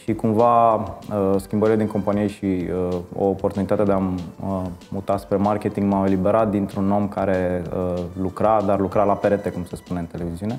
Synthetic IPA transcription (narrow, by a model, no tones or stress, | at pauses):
ʃikumvaəskʲimbəɾiled̪iŋko̞mpanije̞ʃiəo̰ːpo̞rt̪unit̪at̪ed̪eaməːut̪aspɾe̞markʲe̞t̪iŋɡmame̞libe̞ɾat̪̚d̪int̪ɾuno̞mkaɾe̞əlukɾad̪arlukɾalape̞ɾe̞t̪e̞kumse̞spune̞ɨnt̪e̞le̞viziune̞